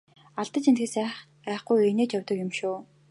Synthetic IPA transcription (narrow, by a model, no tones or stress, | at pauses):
aɮt̪ə̆t͡ɕent̪ɡɘ̆sæːχ | æːχɡujeneːt͡ɕjœwʲt̪ə̆kɪ̆mʃuː